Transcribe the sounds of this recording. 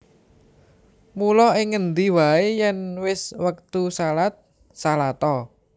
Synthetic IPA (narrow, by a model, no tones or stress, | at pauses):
mulɔɪŋːənd̪iwaejɛnwɪswək̚t̪usalat̪̚ | salat̪ɔ